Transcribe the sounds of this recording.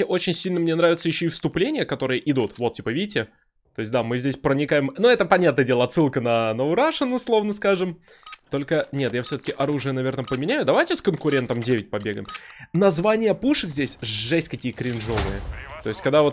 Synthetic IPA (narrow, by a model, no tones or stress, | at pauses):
ɪʔo̞t͡ɕɪnʲsʲilʲnəmnʲe̞n̪ɾavʲɪt̪səjɪɕːoifst̪ʊplʲenʲɪjəkɐt̪o̞ɾɨjəʔɪd̪ut̪vo̞t̪̚ʲːipəvʲidʲtʲːɪ | t̪o̞ɪs̬ʲd̪amɨzʲdʲesʲpɾənʲɪkajɪmnuɛt̪əpɐnʲat̪nədʲe̞lˠɐt̪sɨlˠkənənəʊɾaʂɨnʊslˠo̞vnəskaʐɨm | t̪o̞lʲkənʲe̞t̪jafsʲot̪ə̥kʲɪʔɐɾuʐɨjənɐvʲe̞rnəpəmʲɪnʲæjʊd̪ɐvajtʲɪskənkʊɾʲe̞nt̪əmdʲevʲɪt̚ʲpɐbʲeɡə̰mnɐzvanʲɪjəpuʂɨkzʲdʲesʲʐɛsʲtʲkɐkʲijəkɾʲɪnʐo̞vɨjət̪o̞ɪsʲtʲkɐɡ̚d̪avo̞t̪̚